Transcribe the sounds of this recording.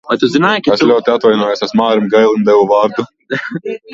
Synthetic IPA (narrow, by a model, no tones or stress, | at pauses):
vajt̪uzinaːjkaɛslʲuɔt̪iat̪vajnɔjɛsɛsmaːɾimɡajlˠind̪ɛvuvaːɾd̪u